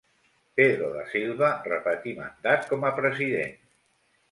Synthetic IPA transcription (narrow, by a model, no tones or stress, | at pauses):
peðɾoðəsilˠβərəpət̪ima̰nd̪at̪̚kɔməpɾəziðḛn